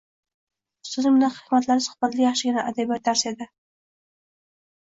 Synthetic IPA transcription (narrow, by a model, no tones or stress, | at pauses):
st̪ozɪmnaχɪkmat̪laɾɪsʊ̥χbat̪lijɑχʃɪɡʲɪnaʔad̪abijat̪̚aɾsed̪ɪ